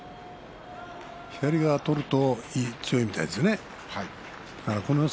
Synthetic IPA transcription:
çid̪aɾʲiɡat̪o̞ɾɯ̟t̪o̞iːt͡sɨjo̞imit̪aid̪esne | ha | ako̞no

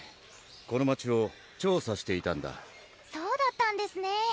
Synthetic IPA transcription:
ko̞no̞mat͡ɕio̞ | t͡ɕo̞ːsaɕi̥t̪e̞it̪ãnd̪a̰ | soːd̪at̪ːãnd̪e̞sɨne

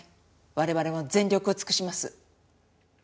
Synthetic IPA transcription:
βaɾe̞βaɾe̞mo̞d͡zẽ̞nɾʲokɯ̟o̞t͡sɨ̥kɯ̟ɕimasɨ

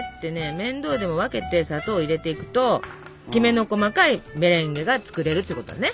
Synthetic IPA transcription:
t̪ːe̞ne̞mẽ̞nd̪o̞ːd̪e̞mo̞βake̞t̪e̞sat̪o̞ːiɾe̞t̪e̞ikɯ̟̥t̪o̞ | kʲime̞no̞ko̞makaime̞ɾẽ̞ŋɡe̞ɡat͡sɨ̥kɯ̟ɾe̞ɾɯt̪oiɯ̟kot̪o̰d̪a̰ne

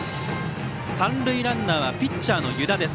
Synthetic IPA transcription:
sãnɾɯ̟iɾãnːaβapʲitt͡ɕːaːno̞jɯ̟d̪ad̪e̞s

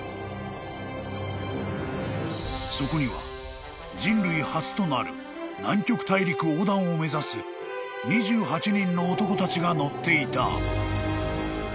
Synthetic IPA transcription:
so̞ko̞ɲ̟iβa̰ | d͡ʑĩnɾɯ̟ihat͡sɨ̥t̪o̞naɾɯ̟̰ | nãŋkʲo̞kɯ̟̥t̪aiɾʲikɯ̟oːd̪ãɰ̃o̞me̞zasɨ | ɲ̟iʑɨːɦat͡ɕiɲĩnːo̞ːt̪o̞ko̞t̪at͡ɕiɡano̞t̪ːe̞it̪a̰

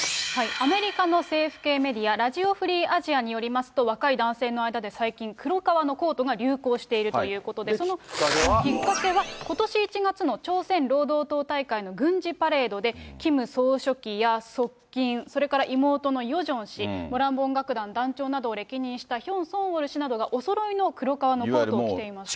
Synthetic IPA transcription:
haiame̞ɾʲikano̞se̞ːɸɯ̟̥ke̞ːme̞d̪ʲiaɾaʑio̞ɸɯ̟ɾʲiːaʑiaɲ̟ijo̞ɾʲimasɨ̥t̪o̞β̞akaid̪ãɰ̃se̞ːno̞aid̪ad̪e̞saikʲĩŋkɯ̟ɾo̞kaβano̞ko̞ːt̪o̞ɡaɾʲɨːko̞ːɕi̥t̪e̞iɾɯ̟t̪o̞jɯ̟ːko̞t̪o̞d̪e̞so̞no̞oĩŋkakeβako̞t̪o̞ɕiːt͡ɕiɡat͡sɨno̞t͡ɕo̞ːsẽ̞nɾo̞ːd̪o̞ːt̪o̞ːt̪aikaino̞ɡɯ̟̃ɲd͡ʑipaɾe̞ːd̪o̞d̪e̞kʲimɯ̟so̞ːɕo̞kʲijaso̞kʲːĩɰ̃so̞ɾe̞kaɾaʔimo̞ːt̪o̞no̞jo̞ʑõ̞ɰ̃ɕimo̞ɾãmbõ̞ŋɡakɯ̟d̪ãnd̪ãɲt͡ɕo̞ːnad̪o̞ːɾe̞kʲiɲ̟ĩɰ̃ɕi̥t̪açõ̞ɰ̃sõ̞ɰ̃oɾɯ̟ɕinad̪o̞ɡaʔo̞so̞ɾo̞ino̞kɯ̟ɾo̞kaβanootoːkit̪e̞imas

